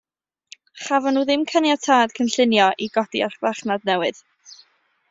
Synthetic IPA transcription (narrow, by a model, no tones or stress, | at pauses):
χavɔnːuːðɪmkʰənjatʰaːd̥kʰənɬɪnjɔʔiɡɔd̥iarχvaχnadnɛwɨð̥